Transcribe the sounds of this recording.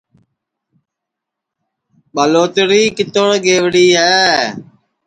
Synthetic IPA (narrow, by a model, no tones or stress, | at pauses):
ɓəloːt̪ɾiːkɪt̪oɽɡeːʋɽiːɦɛː